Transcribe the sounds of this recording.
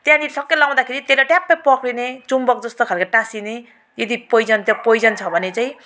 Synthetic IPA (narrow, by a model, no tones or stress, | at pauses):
t̪jãnisʌkːʌlaw̃d̪akʰeɾit̪eɾʌʈjãpːajpʌkʰɾinet͡sumbʌk̚d͡zʌst̪okʰalkaʈasine | jʌd̪ipʌjd͡zʌnt̪jʌ̃pʌjd͡zʌnt͡sʰʌbʱʌnet͡saĩ